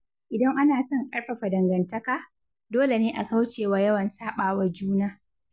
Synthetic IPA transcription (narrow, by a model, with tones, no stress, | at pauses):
ʔɪ˨dɐ˦ŋʔa˦naː˨sɐ˦ŋkʼɐ˦ɽɸɐ˨ɸa˨dɐ˨ŋɡɐ˨ntɐ˦kaː˦ | doː˦le˨neː˦ʔa˨ka˦wt͡ʃeː˨waː˦jɐ˦wɐ˨nsaː˦ɓaː˨wɐ˦rd͡ʒuː˦naː˦